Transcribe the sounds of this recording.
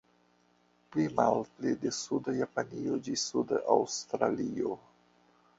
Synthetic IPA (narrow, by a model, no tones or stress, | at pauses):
plimalplidesudajapaniod͡ʒisudaʔawst̪ɾa̰lio